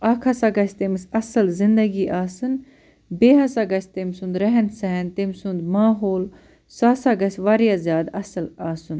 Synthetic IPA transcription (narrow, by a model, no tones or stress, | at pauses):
ɐkʰɐsɐɡɐsʲt̪emisɐsɨlzɪnd̪ɐɡiʔaːsɨn | beːɦɐsɐɡɐsʲt̪emsund̪ɾɐɦɛnsɛɦɛnt̪emsund̪maːɦoːl | saːsɐɡɐsʋɐɾjaːzjaːd̪ɐsɨlaːsɨn